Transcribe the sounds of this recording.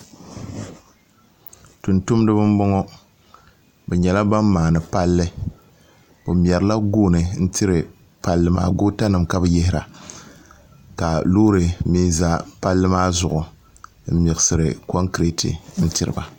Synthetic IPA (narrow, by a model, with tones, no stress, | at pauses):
tu˨ntu˦mdɨ˦bɨ˦m˦bɔ˦ŋɔ˦ | bɛ˨ɲɛ˨la˦ba˦mːaː˨nɨ˨pa˦lːɨ˦ | bɨ˨m˨ɛ˨ɾɨ˨la˦ɡoː˦nɨ˨n̩˦tʰɪ˦ɾɨ˨ | pa˦lːɨ˦ma̰ː˦ɡoː˦ta˦nɨ˨mka˦bɨ˦jɪ˦hɪ˦ɾa̰˨ | ka˨loː˦ɾɨ˨mi˦za˦pa˦lːɨ˦maː˦zʊ˨ʔʊ˨ | m̩˦mi˨ɣɨ˨sɨ˨ɾɨ̰˨kɔ˦ŋkɾe˦tʰɨ̰˨n̩˦tɪ˦ɾɨ˨ba˨